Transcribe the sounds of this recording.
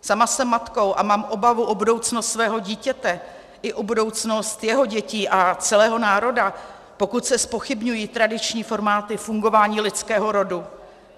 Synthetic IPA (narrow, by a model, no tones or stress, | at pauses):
samasɛmːat̪ko̞wʔamaːmʔo̞bavuʔo̞budo̞wt͡snost̪svɛːɦoɟiːcɛt̪ɛ | ʔɪʔobudo̞wt͡sno̞st̪jɛɦo̞ɟɛciːʔat͡sɛlɛːɦo̞naːɾo̞da | po̞kut̪sɛspo̞xɪbɲujiːt̪ɾadɪt͡ʃɲiːfo̞ɾmaːt̪ɪfuŋɡo̞vaːɲiːlɪt͡skɛːɦo̞ɾo̞du